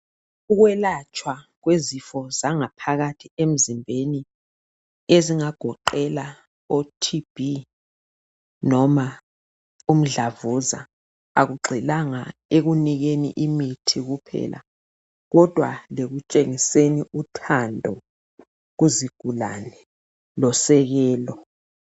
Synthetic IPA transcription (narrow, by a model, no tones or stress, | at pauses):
uɣwɛlat͡ʃʼwa | ɣwezifɔzaŋapʰaɣatʰiem̩zimbʱeni | eziŋaɡ̥ʱɔǃɛla | otʰib̥ʱi | nɔma | um̩ɮavuza̰ | aɣuɡ͡ǃʱilaŋaeɣuniɣenḭʔimitʰiɣupʰɛ̰lʔa̰ | ɣɔd̥ʱwa̰leɣut͡ʃʼeŋiseniutʰandʱɔ | ɣuziɡ̥ʱula̰nɛ | lɔsɛɣɛːlɔ